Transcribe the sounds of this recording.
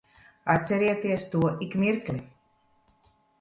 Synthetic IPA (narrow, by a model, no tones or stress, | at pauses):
at̪sʲɛɾiɛt̪iɛst̪uɔʔikmʲiɾklʲi